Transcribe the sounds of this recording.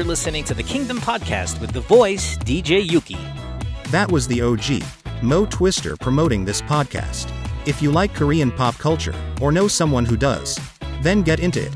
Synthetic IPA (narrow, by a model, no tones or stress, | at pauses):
ə˞lɪsɨnɪ̃ŋtʰɨðɨkʰɪ̃ŋdɨ̃mpʰɑd̚kʰæ̰st̚wɨðəvɔɪsd̥id͡ʒeɪjʉkḭ | ðɨʔ̚wʌzðioʊd͡ʒḭ | moʊtʰw̥ɪstə̰˞pʰɹ̥ɨmoʊɾɪ̃ŋðɪspʰɑd̚kʰæ̰stɨfjɨlaɪkʰə˞iɨ̃npʰɑp̚kʰʌlˠt͡ʃə̰˞ə˞noʊsʌ̃mwʌ̃nɦudʌ̰z̥ | ðɨ̃nɡɛɾɪ̃ntʉ̰ɪ̰t̚